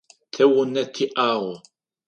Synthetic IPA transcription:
θæwənæt̪ʰːiʔaʁ

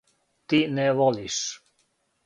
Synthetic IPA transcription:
t̪inɛʋoliʃ

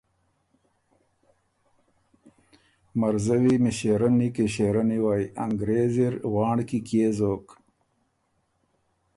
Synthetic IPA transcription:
mɐɾzəwimiɕeɾɐnikeɕeːɾaniwaːjaŋɡɾeːziɾwɑːɳɖkikjeːzoːk

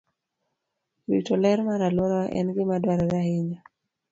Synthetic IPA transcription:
witɔlɛɾmaɾalwɔɾaʔɛ̰nɡɪmadwaɾaɾaɦɪɲa

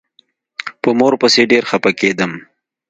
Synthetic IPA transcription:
pəmoɾpəseɖeɾxɐpaked̪əm

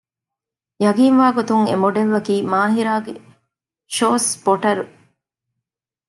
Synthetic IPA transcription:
jɐɡiːnʋaːɡot̪uŋḛmoɖeʋːɐkiːmaːɦiɾaːɡe | ʃoːsboʈɐɾu

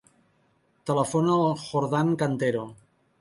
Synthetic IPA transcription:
t̪ələfonlˠxoɾðaŋkant̪eɾo

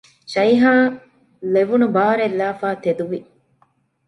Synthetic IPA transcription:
ʃɐjɦaː | leʋunubaːɾelːaːfaːt̪ed̪uʋi

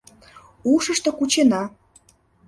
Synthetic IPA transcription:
uʃəʃt̪ŏkut͡ɕenɑ

